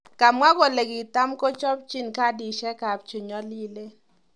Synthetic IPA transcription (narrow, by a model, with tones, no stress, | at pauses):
ka˨mwa˦ɡo˨le˨ɡi˨ta˦mko˦t͡ʃɔ˦p̚t͡ʃi˦nka˦di˨ʃɛ˦ka˨p̚t͡ʃe˨ɲɔ˦li˦le˦